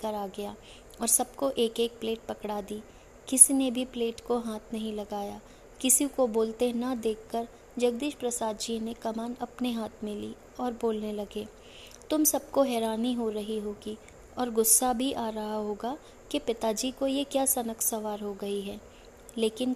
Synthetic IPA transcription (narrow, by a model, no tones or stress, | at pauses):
kɐɾaːɡɐjaː | ɔːɾsɐbkoʔeːkeːk̚pleːʈ̚pɐkɽaːd̪iː | kɪsinebʱipleːʈkoɦaːt̪ʰnɐɦĩlɐɡaːjaː | kɪsikoboːlt̪enɐd̪eːkːəɾ | d͡ʒɐɡ̚d̪iːʃpɾɐsaːd̪d͡ʒiːnekɐmaːnɐpneɦaːt̪ʰmẽlḭː | ɔːɾboːlnelɐɡeː | t̪ʊmsɐb̚koɦɛːɾaːniɦoɾɐɦiɦoːɡi | ɔːɾɡʊsːabʱiʔaːɾɐɦaɦoːɡa | kepɪt̪ad͡ʒiːkojekjaːsɐnəksɐʋaːɾɦoɡɐiɦɛː | leːkɪn